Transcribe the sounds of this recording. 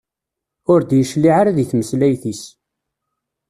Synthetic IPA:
ʊɾd̪jəʃliʕaɾaðiθməslæjθis

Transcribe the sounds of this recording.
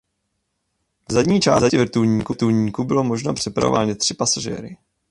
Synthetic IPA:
vzadɲiːt͡ʃa̰ːzaɛvɾt̪uɲiːkut̪uːɲiːkubɪlo̞mo̞ʒnapr̝̥ɛpɾa̰ova̰ːɲɛt̪r̥ɪpasaʒɛ̰ɾɪ

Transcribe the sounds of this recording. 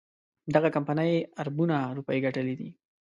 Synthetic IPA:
d̪aɣakampanəjaɾbunaɾupaiɡaʈəlid̪i

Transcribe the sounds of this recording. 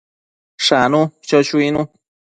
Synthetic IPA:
ʂanũt͡ʃot͡ʃuinũ

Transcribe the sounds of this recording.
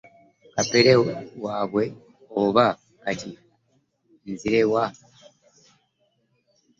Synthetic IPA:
kapeɾewaːβwe̞ | oβaː | ti | nziɾewa

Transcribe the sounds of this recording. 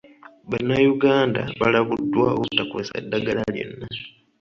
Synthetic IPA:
βanːajuɡaːnda̰βalaβudːwaokutːakwosaedːaɡalaljo̞̰nːa

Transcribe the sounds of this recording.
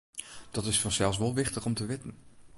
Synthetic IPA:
d̥ɑtɪsfɑnsɛlˠs̬ʋolˠʋɪχtəχɔmtəʋɪtən

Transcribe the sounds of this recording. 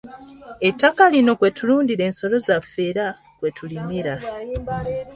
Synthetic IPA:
e̞tːakalino̞kwe̞tuluːndiɾe̞ːnso̞lo̞zafːe̞ːɾa | kwe̞tulimiɾa

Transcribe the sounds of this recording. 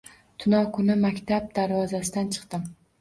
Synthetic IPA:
t̪ʰʊnɒkʰʊnɪmakʲt̪ʰab̚d̪aɾvɒzasɪd̪ant͡ʃʰɨ̥qt̪ɪm

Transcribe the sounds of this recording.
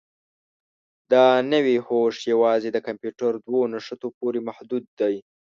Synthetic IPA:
d̪ɑnəwihoʂjawɑzed̪əkampjuʈaɾd̪wonaʂət̪opoɾemahd̪ud̪̚ːaj

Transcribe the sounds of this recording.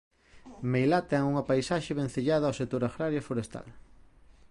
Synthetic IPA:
mejlat̪ɛŋuŋɐpajsaʃeβẽn̟θeʎaðɐawset̪oɾaɣɾaɾjafoɾest̪a̰l

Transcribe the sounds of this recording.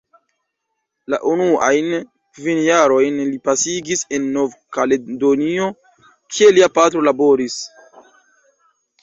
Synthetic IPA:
la̰ʔunua̰jn | kvinjaɾo̞jnlipasiɡise̞nːo̞vkaledo̞nio̞ | kʰie̞liapatɾo̞labo̞ɾis

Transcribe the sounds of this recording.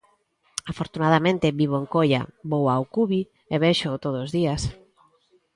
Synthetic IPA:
afoɾt̪unaðamẽnt̪ɪβiβ̞oeŋkoʎa̰bowawkuβi | eβeʃot̪oðoːzðias

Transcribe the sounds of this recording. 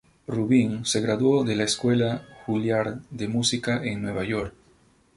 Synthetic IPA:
ruβiŋse̞ɣɾaðwo̞ðelaeskwe̞laxuljaɾd̪e̞musikaʔeŋnwe̞β̞aʝo̞ɾk

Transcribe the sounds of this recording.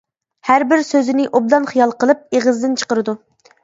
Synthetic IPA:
hæɾbɪɾsøzɪnɪʔob̚d̪ɑnχijɑlˠqəlˠɨp̚eʁəzd̪ɪnt͡ʃʰə̥qəɾɨd̪u

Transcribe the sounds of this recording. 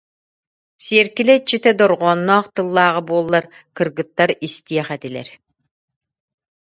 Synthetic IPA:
siɛɾkilɛt͡ɕːit̪ɛd̪ɔɾʁɔːnːɔːqt̪ɯlˠːaːʁɯbuɔlˠːaɾkɯɾɡɯt̪ːaɾist̪iɛχɛt̪ilɛ̰ɾ

